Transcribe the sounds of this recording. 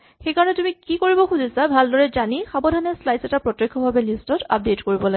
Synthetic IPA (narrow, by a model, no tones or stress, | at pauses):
xejkaɹɔnɛtumikikoɹibɔxuzʱisabʱaldɔɹɛzanixabɔdʱanɛslajsɛtapɹɔtjekʰːɔbʱabɛlistɔta̰p̚detkoɹibɔlaɡɛ